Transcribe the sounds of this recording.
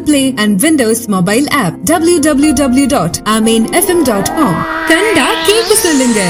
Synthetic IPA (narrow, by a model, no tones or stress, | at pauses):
pleːɛ̃ɳɖʋɪ̃nɖoːsmoːbaɪlæːp̚ɖɐbljuɖɐbljuɖɐbljuɖɔːʈamẽːnɛfɛ̃mɖɔːʈkɔːmk̪ɐɳɖakẽːkʊsə̃lɪ̃ŋɡe